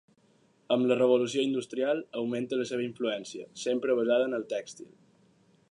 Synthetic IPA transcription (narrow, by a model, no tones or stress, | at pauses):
əmlərəβ̞ulusioind̪ust̪ɾialˠəwment̪ələseβ̞əiɱfluɛnsiə̰sempɾəβəzaðəːnəlˠt̪ɛkst̪ḭlˠ